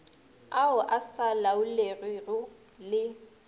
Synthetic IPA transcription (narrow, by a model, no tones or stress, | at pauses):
aʊʔasalaʊlerirʊ | lɪ